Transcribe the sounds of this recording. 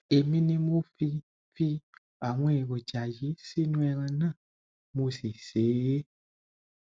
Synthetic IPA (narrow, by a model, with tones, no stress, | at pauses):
e˨mĩ˧nĩ˧mo˦fi˧ | fi˧ | a˨w̃ɔ̃˧e˨wo˨d͡ʒa˨ji˨˦si˦nũ˦ɛ˧ɾ̃ã˧nãː˦˨ | mo˧si˨se˨˦e˦